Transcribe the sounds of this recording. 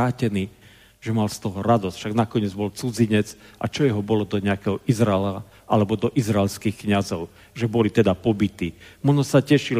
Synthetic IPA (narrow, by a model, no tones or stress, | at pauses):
aːcɛniː | ʒɛmalst̪ɔɦɔɾad̪ɔsc̪fʃaɡnakɔɲɪɛd͡zbɔlt͡sud͡ziɲɛt͡sʔa̰t͡ʃɔjɛɦɔbɔlɔd̪ɔɲɛakɛɦɔʔizɾaɛla | ʔalɛbɔd̪ɔʔizɾaɛlskixkɲazɔʊ | ʒɛbɔlit̪ɛd̪apɔbit̪iːmɔnɔsacɛʃil